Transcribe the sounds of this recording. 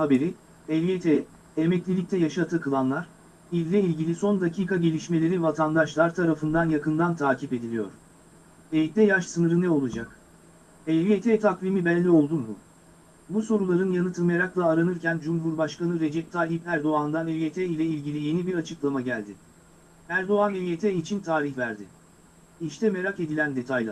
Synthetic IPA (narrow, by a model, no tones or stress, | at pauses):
habe̞ɾi | ɛlijet̪ʰɛː | mɛclʲilʲic̚t̪ʰɛjaʃat̪ʰɯkʰɯlˠanlˠaɾ̥ | izːʲɛilʲɟilʲiso̞nd̪acʰiːkaɟe̞lʲiʃme̞lʲe̞ɾivat̪ʰand̪aʃlˠaɾt̪ʰaɾafɯnd̪anjakɯnd̪ant̪ʰaːcʰipe̞d̪ilʲijo̰ɾ̥ | ejtd̪ʲɛjaʃsɯnɯɾɯnɛo̞lˠad͡ʒak | ɛliet̪ʰɛt̪ʰakvimibɛlʲːio̞lˠd̪umːu | buso̞ɾulˠaɾɯnjanɯt̪ʰɯmajaɾaklˠaːɾanɯɾcænd͡ʒumɦuɾbaʃkanɯɾe̞d͡ʒɛp̚t̪ʰaːlʲiipæɾd̪o̞and̪anɛvjet̪ʰɛilʲɛilʲɟilʲije̞nibiɾat͡ʃʰɯklˠamaɟælʲd̪ɪ | æɾd̪o̞anevijet̪ʰɛit͡ʃʰint̪ʰaːɾiçvæɾd̪ɪ | iʃt̪ɛme̞ɾake̞d̪ilʲænd̪e̞t̪ʰajlˠa̰